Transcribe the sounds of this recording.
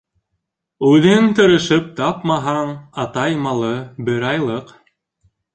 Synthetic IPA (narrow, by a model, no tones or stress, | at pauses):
ʉðɘnt̪ɤ̆ɾɤ̆ʃɤp̚t̪ɑpmɑɦɑɴɑt̪ɑjmɑlˠɤbɘɾɑjlˠɤq